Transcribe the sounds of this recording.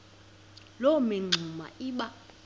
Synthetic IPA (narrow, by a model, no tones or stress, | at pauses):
lɔmɛŋ͡ǀʱuma̰ʔiːɓa